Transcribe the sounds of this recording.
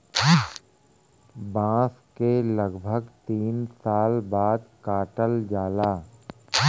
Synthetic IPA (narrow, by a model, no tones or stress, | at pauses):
bãːskeləɡbʱəɡt̪iːnsaːlbaːd̪kaːʈəld͡ʒaːlaː